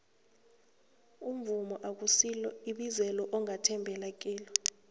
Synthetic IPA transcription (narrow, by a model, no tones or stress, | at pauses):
um̩vumɔʔak̬usilɔiɓizɛlɔʔɔŋatʰɛmbʱɛlak̬ʼiːlɔ